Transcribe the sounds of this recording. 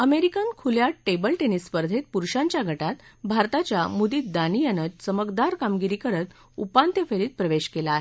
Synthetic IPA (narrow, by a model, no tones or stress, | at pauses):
əmeɾikãnkʰuljaʈebəlʈenisːpəɾd̪ʱet̪̚puɾɕãɲt͡ɕjaɡʱəʈat̪bʱaɾt̪at͡ɕjamud̪iːt̪̚d̪anijanət͡ɕt͡səməkd̪aɾkamɡiɾiːkəɾət̪ | upant̪jefʰeɾiːt̪̚pɾəʋeɕkelaːɦe